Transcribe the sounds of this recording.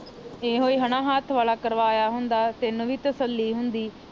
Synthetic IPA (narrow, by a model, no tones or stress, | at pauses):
eːɦoːiːɦəɳãːɦaːt̪ʰʋaːlaːkəɾʋaːjaːɦʊnd̪aːt̪eːnːũːʋiːt̪əsəlːiːɦʊnd̪iː